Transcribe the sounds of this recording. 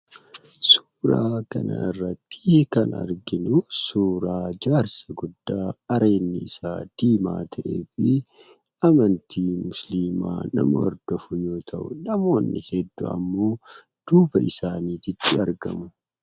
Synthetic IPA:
suːɾaːkɐnɐ̰ɪrːɐt̪ːi̥kɐnɐ̰ɾɡɪnʊsuːɾaːd͡ʒaːɾsɐɡʊd̪ːaːɐɾe̞ːnːɪɪsaːd̪̥iːma̰ːt̪ʰɐʔḛːfɪ | ʔɐmɐnt̪ʰiːmʊsliːma̰ːnɐ̰mʊɐ̰ɾd̪̥ɔfʊjo̞ːt̪ʰɐʔʊnɐmo̞ːnːɪhɛd̪ːʊ̰ɐ̰mːo̞ː | d̪̥uːbɐʔɪsaːniːt̪ɪt̪ʰːɪɐɾɡɐ̰mʊ

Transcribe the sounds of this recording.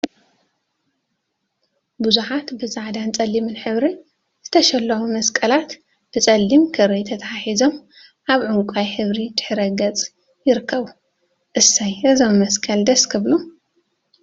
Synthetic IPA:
buzuħat̪bɨzaʕd̪ant͡sʼɐlːimɨnħɨβɾi | z̥ɨt̪ʰɐʃɐlːɐmumɐskʼɐlat̪ | b̥ɨt͡sʼɐlːimkʰɨɾɐjt̪ʰɐt̪ʰaħaħizo̞m | ʔaβʕuŋkʷʼajħɨβɾid̪̥ɨ̥ħɨɾɐɡɐt͡sʼ | jɪɾɨkʰːɐβu | ʔɨsːajʔɨzomːɐskʼɐld̪ɐskʰɨβlu

